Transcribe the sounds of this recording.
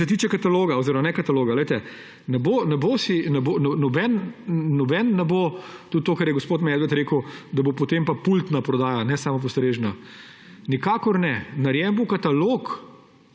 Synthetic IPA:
ɛt̪iːt͡ʃɛkat̪aloːɡaoziɾɔmanɛkat̪aloːɡalɛjt̪ɛ | nɛboːnɛbosinɛbonɔnɔbɛnnɔbɛnːɛbot̪ut̪̚t̪ːoːkɐɾjɛɡospoːt̪mɛːd̪ʋɛt̪ɾeːkəwd̪ɐbopot̪empapult̪napɾɔd̪aːjanɛsaːmɔp̬ost̪ɾeːʒna | nikaːkɔɾnɛnaɾjɛmbokat̪aloːk

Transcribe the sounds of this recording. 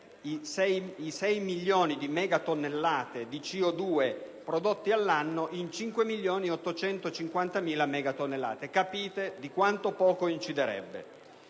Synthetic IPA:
isɛjisɛjmilːoːnid̪imɛːɡat̪onːelːaːt̪ed̪it͡ʃiod̪uːe | pɾod̪ot̪ːialːanːoʔint͡ʃiŋkwemiljoːniɔt̪ːot͡ʃɛnt̪ot͡ʃiŋkwant̪amiːlamɛːɡat̪onːelːa̰ːt̪ekapiːt̪ed̪ikwant̪opɔːkoint͡ʃid̪eɾɛ̰bːḛ

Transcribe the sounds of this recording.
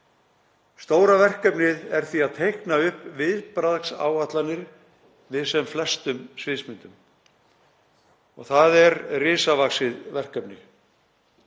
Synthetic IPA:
st̪oːwɾavɛr̥kœpnɪðɛɾ̥θiaðt̪ʰejhknaʏhpvɪðpɾaðksa̰ːwat̪lanːɪɾ̥ | vɪðsɛmflɛst̪ʏmsvɪðsmɪnt̪ʏm | ɔɣθaðɛɾrɪːsavaksɪðvɛr̥kœpnɪ

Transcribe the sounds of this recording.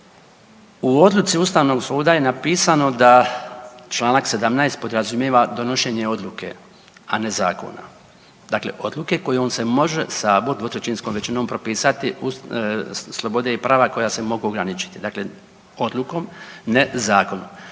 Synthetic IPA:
uo̞d̪lˠut̪siust̪aʋno̞ɡsuːd̪aje̞napiːsano̞d̪a | t͡ʃlaːnakse̞d̪amnajst̪̚po̞d̪ɾazumjeʋad̪o̞no̞ʃe̞ɲe̞o̞d̪lˠuke̞̰ | ane̞zaːko̞̰na̰ | d̪akle̞̰ʔo̞d̪luke̞ko̞jeo̞ːnse̞mo̞ʒesaboɾd̪ot̪ɾet͡ʃinsko̞mʋet͡ʃino̞mpɾo̞piːsat̪iu | slˠo̞bo̞d̪e̞ipɾʔaːʋako̞jase̞mo̞ɡuoɡɾanit͡ʃi̥t̪id̪akle̞ | o̞d̪lˠuko̞mne̞zaːko̞num

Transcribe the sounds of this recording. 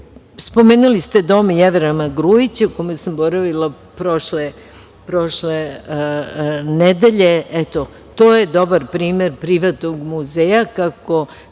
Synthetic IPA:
spo̞meːnulist̪e̞d̪o̞mjeʋeɾamaɡɾujit͡ɕaukomesamboɾaʋilˠa | pɾoʃle | pɾo̞ʃle | ned̪eʎeɛt̪o | t̪oːjed̪o̞baɾpɾiːmeɾpɾiʋat̪noɡmuzejakako̞

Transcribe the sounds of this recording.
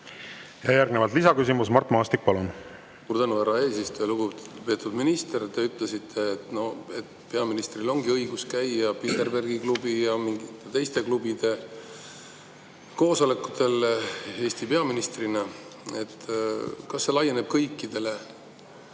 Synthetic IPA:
jɑjærɡnevɑlt̪lisɑkys̬imusmɑrt̪ːˑmɑːst̪ik̚pɑlun | suːɾd̪ænuæɾɑe̞ːsist̪ujɑluɡupe̞ːt̪ːud̪minist̪eɾt̪ːe̞yt̪ˑle̞sit̪ʰːe̞ːt̪no̞e̞t̪pe̞ɑminist̪rilo̞ŋɡiɤjɡuskæjjɑpit̪ːerberɡiklubijɑmiŋɡit̪ːe̞t̪e̞jst̪e̞klubid̪̥e̞ | ko̞ːso̞le̞kːu̥t̪e̞le̞ːsʲt̪ipe̞ɑminist̪rinɑ | e̞t̪ːkɑsːe̞lɑjene̞b̥̚kɤjkːˑid̪̥e̞le̞

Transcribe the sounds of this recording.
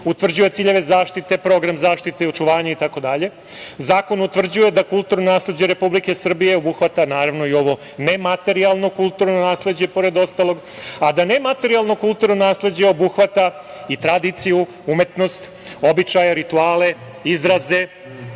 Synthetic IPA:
ut̪ʋr̩d͡ʑuje̞t̪siːʎe̞ʋe̞zaːʃt̪it̪e̞pɾo̞ɡɾamzaːʃt̪it̪e̞o̞t͡ʃuʋaːɲait̪ako̞d̪aʎe̞ | zaːko̞nut̪ʋr̩d͡ʑuje̞d̪akulˠt̪uɾnonaːsle̞d͡ʑeɾe̞publike̞sr̩bije̞obuxʋat̪anaːɾaʋno̞io̞ʋo̞ | ne̞mat̪e̞ɾialˠno̞kulˠt̪uɾnonaːsle̞d͡ʑe̞po̞ɾe̞d̪o̞st̪alo̞ɡ | ad̪ane̞mat̪e̞ɾialˠno̞kulˠt̪uɾnonaːsle̞d͡ʑeo̞buxʋat̪a | it̪ɾad̪it̪siju | ume̞t̪no̞st̪ | o̞bit͡ʃajaɾit̪uaːle̞ | izɾaze̞

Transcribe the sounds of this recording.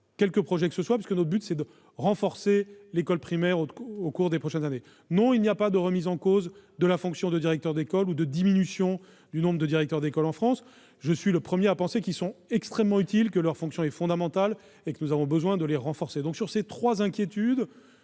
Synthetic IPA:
kʲɛlkəpχɔʒɛkəsəswapɥiskənɔt̪χbyt̪sɛd̪ə | ʁɑ̃fɔʁselekɔlpχimɛʁookuʁd̪epχɔʃɛnzane | nɔ̃ilnijapad̪əʁəmizɑ̃kozd̪əlafɔ̃ksjɔ̃d̪əd̪iʁɛk̚t̪œʁd̪ekɔlud̪əd̪iminysjɔ̃ | d̪ynɔ̃bʁəd̪əd̪iʁɛk̚t̪œʁd̪ekɔlɑ̃fχɑ̃s | ʒəsɥiləpχəmjeapɑ̃sekʲilsɔ̃ɛkst̪χɛmːɑ̃yt̪ilkəlœʁfɔ̃ksjɔ̃ɛfɔ̃d̪amɑ̃t̪al | ekənuzavɔ̃bəzwɛ̃d̪əleʁɑ̃fɔʁsed̪ɔ̃ksyʁset̪χwazɛ̃kʲjet̪yd̪

